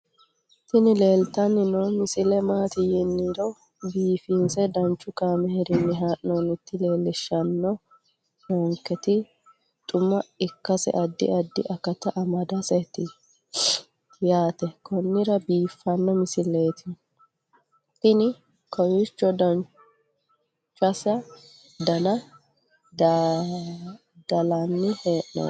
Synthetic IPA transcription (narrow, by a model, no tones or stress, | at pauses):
t̪ɪnɪleːlt̪ɐnːɪnɔmɪsɪlɛmaːt̪ɪjɪnːiɾɔ | biːfinsɛd̪ɐnt͡ʃːʊkaːmɛhɛɾɪnːɪɦaːʔnonɪt̪ːɪle̞ːlːɪʃːɐnːɔ | nɔŋkːɛt̪ɪ | t̪ʼʊmːɐɪkːɐsɛ̰ʔɐd̪ːɪ̰ʔɐd̪ːɪ̰ʔɐkːɐt̪ɐʔɐmɐd̪ɐsɛt̪ːɪ | jaːt̪ɛkɔnːɪɾɐbiːfːɐnːɔmɪsɪleːt̪ɪ | ɪnɪ | kɐwɪt͡ʃːɔd̪ɐn | t͡ʃʼːɐsɐ | d̪ɐnɐ | d | d̪̥ɐlɐnːɪheːʔnɔ̰